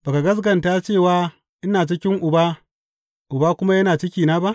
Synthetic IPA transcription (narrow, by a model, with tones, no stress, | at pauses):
baː˨ka˨ɡɐ˦s̬ɡɐ˨nta˦t͡ʃeː˦˨waː˨˦ | ʔɪ˦naː˨t͡ʃɪ˦kʲɪ˦ŋʔʊ˨baː˦ | ʔʊ˨baː˦kʷʊ˦ma˦jɐ˦naː˨t͡ʃɪ˦kʲiː˨naː˦ba˦ʔ